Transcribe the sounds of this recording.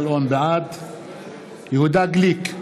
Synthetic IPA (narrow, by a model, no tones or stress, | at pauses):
lonbʕad̪ | jəhud̪aɡlik